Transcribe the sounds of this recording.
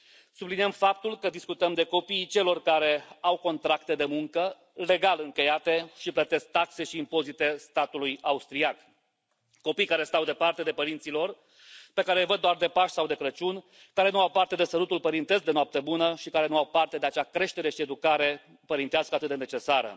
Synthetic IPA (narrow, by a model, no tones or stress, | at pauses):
subliniəmfap̚t̪ulkəd̪iskut̪əmd̪e̞ko̞piːt͡ʃe̞lo̞rkaɾe̞awko̞nt̪ɾakt̪e̞d̪e̞muŋkə | le̞ɡalɨŋkʲe̞jat̪e̞ʃiplət̪e̞sk̚t̪akse̞ʃiːmpo̞zit̪e̞st̪at̪ulujaust̪ɾiak | ko̞pijkaɾe̞st̪awd̪e̞part̪e̞d̪e̞pəɾint̪silo̞r | pe̞kaɾejvəd̪ːoard̪e̞paʃsawd̪e̞kɾət͡ʃun | kaɾe̞nuawpart̪e̞d̪e̞səlut̪ulpəɾint̪e̞zd̪e̞noap̚t̪ebunəʃikaɾe̞nuawpart̪e̞d̪eat͡ʃeakɾe̞ʃt̪e̞ɾe̞ʃie̞d̪ukaɾe̞ | pəɾint̪easkəat̪ɨt̪ene̞t͡ʃe̞saɾə̰